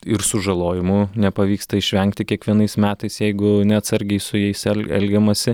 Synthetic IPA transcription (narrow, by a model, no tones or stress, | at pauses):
ɪɾsʊʒɐlˠoːjɪmʊnʲɛpɐʋʲiːkst̪ɐɪʃʲʋʲɛŋk̚t̪ʲɪkʲiɛkʋʲiɛnɐɪsmʲæːt̪ɐɪsjɛɪɡʊnʲɛɐt̪sɐɾʲɡʲɛɪsʊjɛɪsɛlʲɛ̰lʲɡʲɛmɐsʲɪ